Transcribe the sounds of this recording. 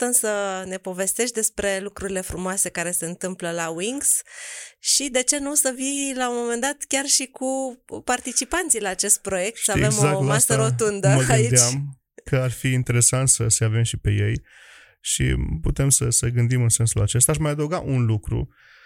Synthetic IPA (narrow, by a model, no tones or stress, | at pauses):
t̪əmsəne̞po̞ve̞st̪e̞ʃt̪d̪e̞spɾe̞lukɾuɾile̞fɾumoase̞kaɾe̞se̞ɨnt̪ɨmpləlawiŋɡs | ʃid̪e̞t͡ʃe̞nusəvilaumo̞me̞nd̪at̪kʲarʃikupart̪it͡ʃipant̪sijlaːt͡ʃe̞st̪̚pɾo̞je̞k̚t̪səaeve̞mozak̪masəɾo̞t̪und̪əməɡaɨiet͡ʃam | kəarfiːnt̪e̞ɾe̞sant̪səseave̞mʃipe̞je̞j | ʃḭput̪e̞msəsəɡɨnd̪imɨnse̞nsulat͡ʃe̞s̬t̪aʃmajad̪əuɡaʔunlukɾṵ